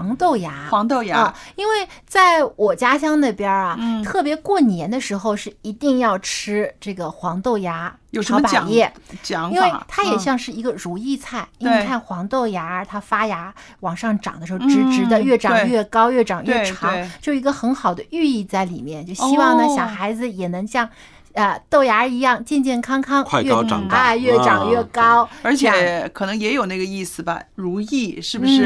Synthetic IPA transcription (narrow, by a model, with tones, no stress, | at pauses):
ŋt̪o˥˩ʊja˧˥wɑ˧˥ŋt̪o˥˧ʊja˧˥˧i˥nwe˥˧ɪt͡sa˥˩ɪwɔ˨˩t͡ɕja˥ɕjɑ˥ŋd̪ə˨˩pjɑ˥ɐ˨t̪ʰɤ˥˩p̬jɛ˧˥kwɔ˥˩njɛ˧˥nd̪ə˧ʂɻ̩˧˥xo˧ʊʂɻ̩˥˩i˧˥t̪i˥˧ŋjɑ˥˩ʊʈ͡ʂʰɻ̩˥ʈ͡ʂɤ˥˩ɡə˩xwɑ˧˥ŋt̪o˥˩ʊja˧˥jo˨˩ə˧˥a˨˩˨jɛ˥˩t͡ɕɑ˨˥ŋi˥nwɪt̪ʰa˥jɛ˨˩ɕjɑ˥˧ŋʂɻ̩˥˩i˧˥ɡə˧ɻu˧˥i˥˧t͡sʰa˥˩ɪi˥w̪ʰa˥˩xwɑ˧˥ŋt̪o˥˩ʊja˧˥ə˧˥t̪ʰa˥fa˥ja˧˥ | wɑ˨˩ŋʂɑ˥˩ŋʈ͡ʂɑ̰˨˩ŋd̪ə˦ʂɻ̩˧˥ʊʈ͡ʂɻ̩˧ʈ͡ʂɻ̩˧˥d̪ə˧ɥɛ˥˩ʈ͡ʂɑ˨˧e˥˩ŋjɥɛ˥˩kɑ˥ʊjɥɛ˥˩ʈ͡ʂɑ˨˩ŋɥɛ˥˧˥ʈ͡ʂʰɑ˧˥ŋ˩t͡ɕjo˥˧ʊʂi˧˥ɡə˧xə˧˥nxɑ˨˩ʊd̪ə˦y˥˧i˥˧t͡sa˥˩ɪlḭ˨˩mjɛ˥˧nt͡ɕjo˥˩ʊɕi˥wɑ˥˩ŋnə˩ɕjɑ˨˩ʊxa˧˥ɪd͡zɹ̩˧jɛ˨˩nɤ˧˥ŋɕjɑ˥˧ŋ | ə˧t̪o˥˩ʊja˧˥i˧˥jɑ˥˩ŋt͡ɕjɛ˥˧nt͡ɕjɛ˥˩nkʰɑ˥ŋkʰɑ˥ŋʰ˥˧ɛ̰˥˧˥a˧jɥɛ˥˩ʈ͡ʂɑ˨˩ŋɥɛ˥˩kɑ˥ʊə˞˧˥t͡ɕʰkʰɤ˨˩nɤ˧˥ŋjɛ˧˥jo˨˩ʊna˥˩ɡə˩i˥˩sɹ̩˨˩bɐ̰˩ɻu˧˥i˥˩ʂɻ̩˥˩bu˩ʂɻ̩˥˩